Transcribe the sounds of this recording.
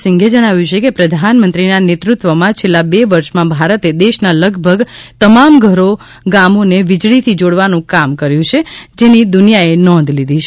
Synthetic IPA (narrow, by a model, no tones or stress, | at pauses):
səŋɡʱed͡ʒəɽ̃aʋjũt͡ʃʰekepɾəd̪ʱanmənt̪ɾinanet̪ɾut̪ʋəmãt͡ʃʰelːabeʋəɾʃmãbʱaɾət̪ed̪eʃnaləɡbʱəɡt̪əmamɡʱəɾo | ɡamoneʋid͡ʒɭit̪ʰid͡ʒoɽʋanũkamkəɾjũt͡ʃʰed͡ʒenid̪unijaenɔ̃nd̪ʱlid̪ʱit͡ʃʰe